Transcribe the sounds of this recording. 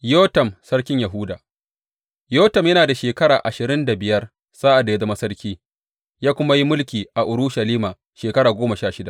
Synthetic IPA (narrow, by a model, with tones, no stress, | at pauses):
joː˦tɐ˨msɐ˦ɽkʲɪ˦ɲjɐ˨ɦʊ˦daː˨ | joː˦tɐ˨mjɐ˦naː˨da˨ʃeː˨kɐ˦ɽaː˨ʔa˨ʃɪ˨ɾɪ˦nda˨bɪ˨jɐ˦r | saː˦ʔa˨dːa˨ja˦zɐ˦mɐ˦sɐ˦rkʲiː˦ | jaː˦kʷʊ˦ma˦ji˦mʊ˦lkʲiː˨ʔa˨ʔʊ˨ɾʊ˦ʃɐ˨liː˦maː˨ | ʃeː˨kɐ˦ɽaː˨ɡʷoː˦mɐ˨ʃaː˦ʃɪ˦da˨